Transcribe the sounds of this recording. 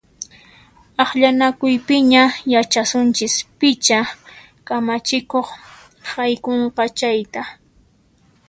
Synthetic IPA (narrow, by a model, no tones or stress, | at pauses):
ɑχʎanakʊjpɪɲajat͡ʃasʊnt͡ʃɪspɪt͡ʃa | kamat͡ʃɪkoχ | hajkoɴqɑt͡ʃajt̪a